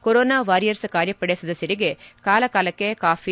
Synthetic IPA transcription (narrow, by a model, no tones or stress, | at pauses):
koɾoːnaːʋaːɾijɐɾsɨkaːɾjɐpːɐɽesɐd̪ɐsɐɾiɡekaːlɐkaːlɐkːekaːfi